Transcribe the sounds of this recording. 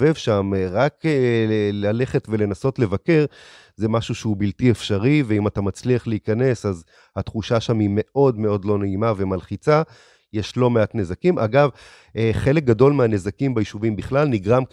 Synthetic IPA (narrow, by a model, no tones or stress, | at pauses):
vevʃamʁak | lale̞χe̞tve̞le̞naso̞tle̞vake̞ʁ | zemaʃuʃeubiltiefʃaʁiveimatamat͡sliaχleikane̞saz | hatχuʃaʃamime̞ʔo̞dme̞o̞dlo̞neimave̞malχit͡sa | jeʃlo̞meatne̞zakimʔa̰ɡav | eχe̞lek̚ɡado̞lmeanezakimbajiʃuvimbiχlalniɡʁam